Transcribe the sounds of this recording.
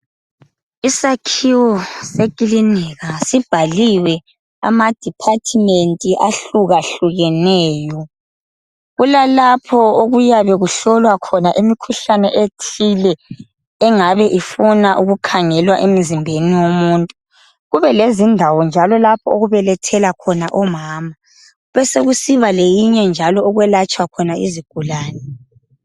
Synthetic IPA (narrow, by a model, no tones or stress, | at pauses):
isakʰiwɔsekʼilinɛɣasib̥ʱaliwɛ | a̰mad̥ʱipʰatʰimentʼiʔaɬuɣaɬuɣɛnɛːjɔ | ɣulalapʰɔoɣujaβɛɣuɬɔlwakʰɔnaʔimikʰuɬanɛʔetʰilɛː | ŋaβɛʔifunaʔuɣukʰaŋɛlwaʔem̩zimbʱeniwomuːntʼu | ɣuβɛlezindʱawɔnd͡ʒʱalɔlapʰɔoɣuβɛlɛtʰɛlakʰɔnaʔɔmaːma | βɛseɣusiβalejiɲɛnd͡ʒʱalɔːɣwɛlat͡ʃʼwakʰɔnaiziɡ̥ʱulaːnɛ